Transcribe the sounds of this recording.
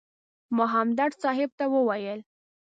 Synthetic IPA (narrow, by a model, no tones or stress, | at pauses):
mʊɦamd̪aʈsɑɦɪb̚t̪awəwajəl